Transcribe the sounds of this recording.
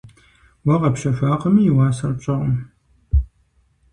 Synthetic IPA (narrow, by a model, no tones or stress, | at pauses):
wɐʁɐpɕɐfʷaːqɐmiːwaːsɐrɕʼɐʁəm